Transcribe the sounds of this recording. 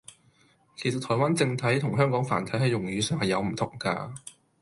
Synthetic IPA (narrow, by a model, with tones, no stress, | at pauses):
kʰe˨˩jsɐ˨t̚t̪ʰɔː˨˩waː˥nt͡sɪ˧ŋt̪ʰɐ˨˥jt̪ʰʊ˨˩ŋɦœː˥ŋkɔː˨˥ŋfa̰ː˨˩nt̪ʰɐ˨˥jhɐ˨˧jːʊ˨˩ŋjyː˨˧sœː˨ŋhɐ˨jɐ˨˧wm̩˨˩t̪ʰʊ˨˩ŋka̰ː˧